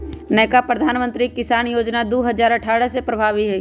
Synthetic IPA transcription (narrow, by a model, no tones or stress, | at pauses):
nɛːkapɾəd̪ʱaːnmə̃nt̪ɾikɪsaːnjoːd͡ʒnad̪oːɦəzaːɾəʈʰaːɽəsepɾɐbʱaːʋiɦɛ